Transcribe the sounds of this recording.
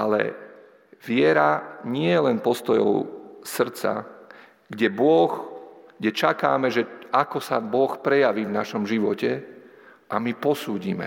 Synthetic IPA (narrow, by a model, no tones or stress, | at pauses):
ʔalɛ̰ | ʋɪɛɾaɲɪɛjɛlɛnpɔst̪ɔjɔ̰ʊsr̩t͡sa̰ | ɡɟɛbʊɔxɡɟɛt͡ʃaka̰ːmɛʒɛakɔsabɔxpɾɛjaʋiːvnaʃɔmʒiʋɔcɛ | ʔamipɔsuːɟiːmɛ̰